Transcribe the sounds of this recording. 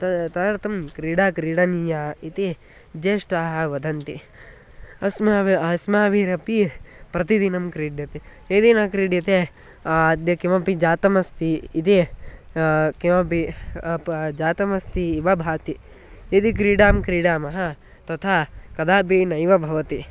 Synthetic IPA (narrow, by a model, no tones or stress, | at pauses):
t̪ɐt̪ɐɾt̪ɐmkɾiːɽaːkɾiːɽɐnijaːit̪i | d͡ʒeːʂʈaːɦɐʋɐd̪ʱɐnt̪i | ɐsmaʋasmaːʋiɾɐpipɾɐt̪id̪inɐmkɾiːɖjɐt̪i | ed̪inɐkɾiːɖjɐt̪e | ad̪jɐkimɐpid͡ʒaːt̪ɐmɐst̪iːt̪i | kimɐpi | d͡ʒaːt̪ɐmɐst̪iːʋɐbʱaːt̪i | id̪ik̬ɾiːɽaːmkɾiːɽaːmɐɦɐ | t̪ɐt̪ʰaːkɐd̪aːp̬iːnɐjʋɐbʱɐʋɐt̪i